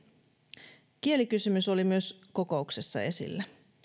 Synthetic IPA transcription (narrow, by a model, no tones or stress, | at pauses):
kie̞likysymysolimyø̞sko̞ko̞ukse̞sːɑ̰e̞sḭlːæ